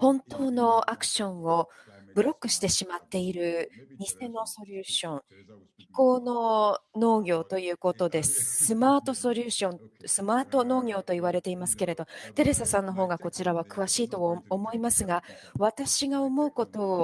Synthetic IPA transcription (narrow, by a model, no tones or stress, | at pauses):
hõ̞nt̪o̞ːno̞akɯ̟̥ɕõ̞ɰ̃o̞bɯ̟ɾo̞kːɯ̟ɕi̥t̪e̞ɕimat̪ːe̞iɾɯ̟ɲise̞no̞so̞ɾʲɯːɕõ̞ŋʲ | i̥ko̞ːno̞no̞ːɡʲo̞ːt̪o̞jɯ̟ːko̞t̪o̞d̪e̞sɨ̥sɨmaːt̪o̞so̞ɾʲɯ̟ːɕõ̞nsɨmaːt̪o̞no̞ːɡʲo̞ːt̪o̞iβaɾe̞t̪e̞imasɨ̥ke̞ɾe̞d̪o̞t̪e̞ɾe̞sasãnːo̞ɦo̞ːɡako̞t͡ɕiɾaβ̞akɯ̟βaɕiːt̪oomo̞imasɨɡaβat̪aɕiɡao̞mo̞ɯ̟ko̞t̪o̞ː